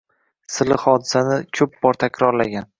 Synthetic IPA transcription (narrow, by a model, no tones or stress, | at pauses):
sɪlɪhɒd̪ɪsanɪkʲʰɵp̚bɒɾt̪ʰakʲʰɾɒɾlaɡʲan